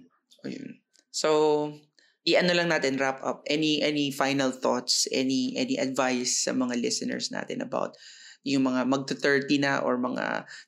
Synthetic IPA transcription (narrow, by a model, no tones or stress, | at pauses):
ʔo̰jʊ̰n | sow | ʔiʔɐnolɐŋnaːt̪ɪnɹapʔɐp̚ʔɛniʔɛnifajnɐlθot̪sʔɛ̰niʔɛniʔɐd̪vajsːɐ̰mɐŋalɪsɐnɛ̰ɹsna̰ːt̪ɪ̰nʔɐba̰wt̪̚ | jʊŋmɐŋamɐɡ̚t̪ʊt̪ɛɹt̪inɐʔo̰ɹmɐŋa̰